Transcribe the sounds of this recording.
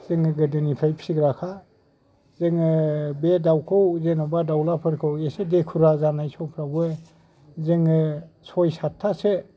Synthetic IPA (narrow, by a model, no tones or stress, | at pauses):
z̥eŋɯɡɯdɯnipʰajpʰi̥siɡɾakʰa | zeŋɯbedawkʰɔwzenɔbadawlapʰɯɾkʰɯwesedekʰuɾazanajsɔpʰɾaɡue | zeŋɯsɔjsatʰːase